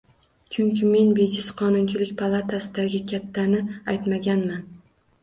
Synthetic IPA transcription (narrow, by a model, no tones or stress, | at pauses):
t͡ʃʰʊŋkʲɪme̞nbe̞d͡ʒɪsqʰɒnʊnt͡ʃʰɪlɪkʲpʰalˠat̪ʰasɪd̪aɡʲɪkʲʰat̪ʰːanɪajt̪maɡʲanman